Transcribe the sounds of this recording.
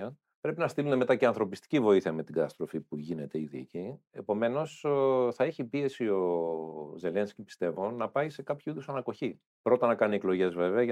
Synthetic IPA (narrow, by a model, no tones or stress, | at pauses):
ɐ | pɾe̞pinɐst̪ilume̞me̞t̪ɐceɐnθɾo̞pist̪i̥civo̞iθiɐme̞t̪iɡɐt̪ɐst̪ɾo̞fipuʝine̞t̪e̞iðici | e̞po̞me̞no̞sθɐeçipie̞sio̞ | ze̞le̞nscipi̥st̪e̞vo̞nɐpɐise̞kɐpçuiðosɐnɐko̞çi | pɾo̞t̪ɐnɐkɐnieklo̞ʝe̞zve̞veɐ